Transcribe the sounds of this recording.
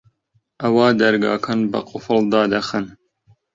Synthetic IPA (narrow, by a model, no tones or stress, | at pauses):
ʔɐwɑːd̪ɐɾɡɑ̰ːkʰɐnbɐ̰qʼʊfɨld̪ɑːd̪ɐxɨn